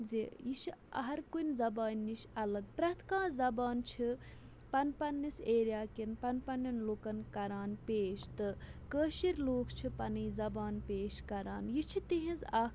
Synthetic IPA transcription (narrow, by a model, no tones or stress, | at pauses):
zijiʃiɐ̰ɦɐɾkunʲzɐbaːnʲːiʃɐlɐɡpɾɐt̪ʰkãːzɐbaːnt͡ʃʰi | pɐnpɐnːiseːɾjaːkinpɐnpɐnjɐnloːkɐnkɐɾaːnpeːʃt̪ɨkəːʃiɾloːkʰt͡ʃʰipɐniːzɐbaːnpeːʃkɐɾaːnjit͡ʃʰit̪iɦĩzaːk